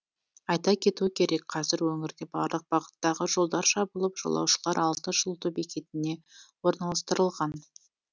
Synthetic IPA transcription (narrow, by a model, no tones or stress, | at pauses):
ɑjt̪ɑkʲʰe̞t̪uɪkʲʰe̞ɾe̞kqʰɑzɪɾwɵŋɪɾd̪e̞bɑ̰ɾlˠəq̚b̥ɑʁə̥t̪ːɑʁəʒo̞lˠd̪ɑɾʃɑbulˠəpʒ̥ɑ̰lˠɑ̰wʃəlˠɑɾʔɑlˠt̪əʒəlˠt̪ubekʲe̞t̪ɪne̞wo̞ɾnɑlˠɑst̪əɾəlˠʁɑn